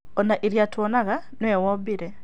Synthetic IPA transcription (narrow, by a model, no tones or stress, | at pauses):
ɔnaʔiɾjatwɔnaɣa | nwɛwɔbiɾɛ